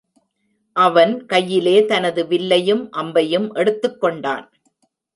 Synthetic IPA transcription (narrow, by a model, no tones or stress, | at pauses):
ʔɐʋɐnkɐjːɪleːt̪ɐnɐðɯʋɪlːɐjɯmʔɐmbɐjɯmʔɛɽɯt̪ːɯkːɔɳɖa̰ːn